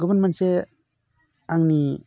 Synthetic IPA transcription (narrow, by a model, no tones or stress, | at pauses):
ɡɯbɯnmanse | aŋni